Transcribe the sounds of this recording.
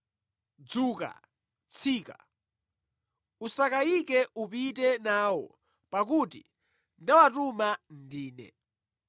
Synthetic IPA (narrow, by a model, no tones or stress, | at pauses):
d͡zuːka̰ | t͡sʰiːka | usakaikɛupitɛnaːwɔ̰ | pak̬uːtḭ | ndawatumandiːnɛ̰